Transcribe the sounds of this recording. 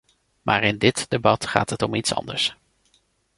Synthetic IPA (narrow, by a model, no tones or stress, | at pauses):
maːɹɪndɪtd̥ebɑtχa̰ːtɦətɔmitsɑ̰ndəɹs